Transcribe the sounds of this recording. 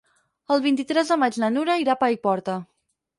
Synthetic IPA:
əlˠβint̪it̪ɾɛzðəmad͡ʒnənuɾəiɾapaipɔɾt̪ə

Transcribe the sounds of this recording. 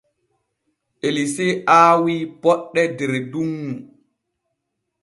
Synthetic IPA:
ʔeliseʔaːwiːpɔɗːɛdɛɾdunːu

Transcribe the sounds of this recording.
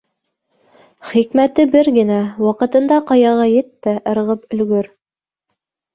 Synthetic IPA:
χikmæt̪ɘbɘɾɡɘ̆næwɑqɤ̆t̪ɤ̆nd̪ɑqɑjɑʁɑjɘt̪ːæʔɤ̆ɾʁɤpɵ̆lɡɵɾ

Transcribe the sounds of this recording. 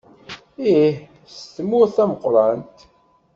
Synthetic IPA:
ih | st̪mʊɾθæməqːɾˤɑnt̪

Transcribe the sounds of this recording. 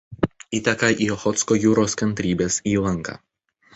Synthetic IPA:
iːt̪ʲɛkɐʔiːxɔt̪skoːjuːɾoːskɐnʲt̪ʲɾʲiːbʲeːsiːlˠɐŋˑkɑ̰ː

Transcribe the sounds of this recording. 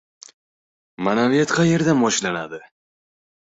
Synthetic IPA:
manavijat̪qʰɑje̞ɾd̪anbɒʃlanad̪ɪ

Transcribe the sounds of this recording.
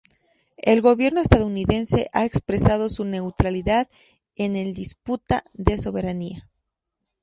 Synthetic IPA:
e̞lɣo̞βje̞ɾnoest̪aðouniðe̞nse̞ʔaekspɾe̞sað̞o̞sune̞wt̪ɾaliðað | e̞ne̞ld̪isput̪aðe̞so̞βe̞ɾania

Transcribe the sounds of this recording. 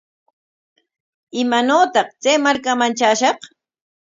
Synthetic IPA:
ɪmanoːt̪ɑqt͡sajmaɾkamant͡ʃaːʃɑχ

